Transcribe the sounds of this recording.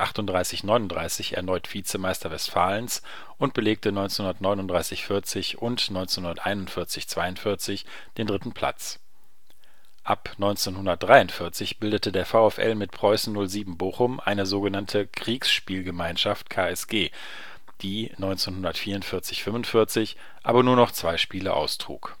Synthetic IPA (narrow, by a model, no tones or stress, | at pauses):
ʔaχtʊntdʁaɪsɪçnɔʏnʊntd̥ʁaɪsɪçɛ̰ɐnɔʏtfiːt͡səmaɪstɐvɛstfaːləns | ʔʊnt̚b̥əleːk̚tənɔʏnt͡senhʊndɐtnɔʏnʊnd̥ʁaɪsɪçfɪɐt͡sɪçʊntnɔʏnt͡senhʊndɐtʔa̰ɪnʊntfɪɐt͡sɪçt͡sv̥aɪʊntfɪɐt͡sɪç | d̥eːndʁɪtn̩pʰl̥a̰t͡s | ʔapnɔʏnt͡senhʊndɐt̚d̥ʁaɪʊntfɪɐt͡sɪçb̥ɪldətədeːɐfaʊɛfʔɛ̰lmɪtpʁ̥ɔʏsn̩nʊlziːbm̩boːxʊmʔa̰ɪnəzoːɡənantʰəkʁ̥iːksʃpiːlɡəmaɪnʃaft̚kʰaːɛsɡ̥eː | d̥iːnɔʏnt͡senhʊndɐtfiːɐʊntfɪɐt͡sɪçfʏmvʊntfɪɐt͡sɪç | ʔa̰ːbɐnuːɐnɔχt͡sv̥aɪʃpiːlə̰ʔa̰ʊstʁ̥ṵːk